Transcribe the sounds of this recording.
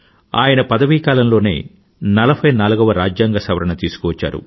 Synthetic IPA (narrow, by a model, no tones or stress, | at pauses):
a̰ːjɐnɐpɐd̪ɐʋikaːlɐmlo̞ːnḛː | nɐlɐbʰʱɐjnaːluɡɐʋɐɾaːd͡ʒjaːŋɡɐsɐʋɐɾɐɳɐt̪iːsu̥kɔʋɐt͡ʃːa̰ːɾṵ